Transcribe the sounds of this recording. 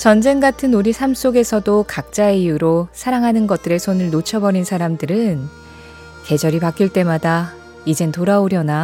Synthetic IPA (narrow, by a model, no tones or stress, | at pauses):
t͡ɕʌnd͡ʑe̞ŋɡatʰɯnoɾisʰams͈oɡe̞sʰʌdokak̚t͡ɕ͈aeijuɾosʰaɾaŋɦanɯnɡʌt̚t͈ɯɾe̞sʰonɯɭnot͡ɕʰʌbʌɾinsʰaɾamdɯɾɯn | ke̞d͡ʑʌɾipak͈iɭt͈e̞mada | id͡ʑe̞ntoɾaoɾjʌna